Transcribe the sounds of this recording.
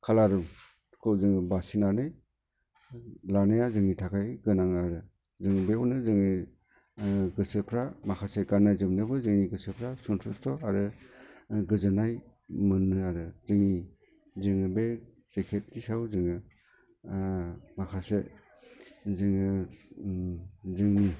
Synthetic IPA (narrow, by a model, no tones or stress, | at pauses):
kʰalaɾum | kʰowzɯŋɯbasinanɯj | lanɯjazɯŋitʰakʰajɡɯnaŋaɾɯ | zɯŋɯbeunɯzɯŋɯ | ɡɯsɯpʰɾamakʰaseɡanːajzɯmnɯbɯzɯŋiɡɯsɯpʰɾasuntʰustɔaɾɯ | ɡɯzɯnaj | mɯnːɯaɾɯzɯŋi | zɯŋɯbe | z̥ekʰet̚kisawzɯŋɯ | makʰase | zɯŋɯ | zɯŋnɯ